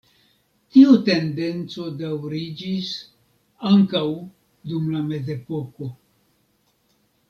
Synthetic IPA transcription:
tiute̞nde̞nt͡so̞dawɾid͡ʒis | aŋkaw | dumlame̞ze̞po̞ko̞

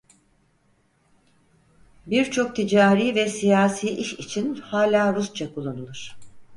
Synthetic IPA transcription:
biɾt͡ʃʰo̞k̚t̪ʰid͡ʒaːɾiːvɛsijaːsiːʔiʃit͡ʃʰinhaːlʲaːɾust͡ʃʰakʰulˠːanɯlˠuɾ̥

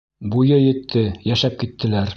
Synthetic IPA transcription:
bujɤjɘ̆t̪ʰːɘjæʃæp̚kit̪ːɘ̆læɾ

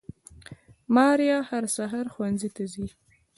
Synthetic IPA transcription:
mɑɾjɑhaɾsaɦaɾxwanzit̪azi

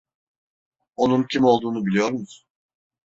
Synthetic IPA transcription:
o̞nuncʰimo̞lˠd̪uːnubilijo̞ɾmuz̥

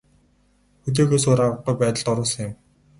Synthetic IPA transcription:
xɵt̪̬eːxeːsʊːɾaʁə̆qːujpæːt̪ə̆ɮt̪ɔɾʊːsə̆ŋjʊ̆m

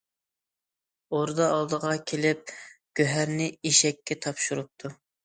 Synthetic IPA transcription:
oɾd̪ɑɑlˠd̪əʁɑkʲʰelɪp̚ɡ̥ʲøɦæɾnɪiʃɛkʲːɛt̪ʰɑpʃuɾup̚t̪ʰu

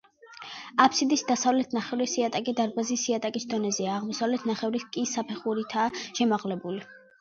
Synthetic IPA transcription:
apʰsid̪isd̪asavlɛt̪ʰnaχɛvɾisiat̪ʼakʼid̪aɾbazisiat̪ʼakʼisd̪ɔnɛzɛaːʁmɔsavlɛt̪ʰnaχɛvɾiskʼisapʰɛχuɾit̪ʰaːʃɛmaʁlɛbuli

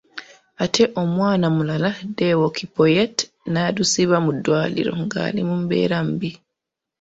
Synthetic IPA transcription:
ʔatʰɛʔɔmwanamulaladɛwokʰipɔjɛt | nadusiβamudwalḭɾɔ̰ŋɡa̰ːlḭmumbɛ̰ɾambi

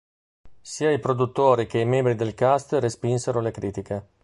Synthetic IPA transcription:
siːaipɾod̪ut̪ːoːɾik̟eimɛ̃mbɾid̪elkast̪respinseɾolekɾiːt̪ike

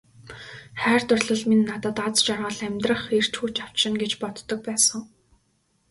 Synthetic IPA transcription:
χæːrt̪ʊrɮɞ̆ɮminːat̪ə̆t̪at͡st͡ɕɔrʁə̆ɮæmʲt̪rə̆χer̥t͡ɕxuːt͡ɕaw̥t͡ɕʃɪ̆ŋɡet͡ɕpɔt̪ːɞ̆k̚pæːsə̆ŋ

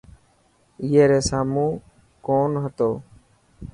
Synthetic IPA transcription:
iːeːɾeːsaːmũː | koːnɦət̪oː

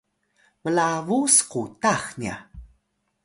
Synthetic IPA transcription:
məlavusqutaxnia̰

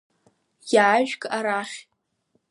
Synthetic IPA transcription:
jaːʒᶣkʼaɾaχʲ

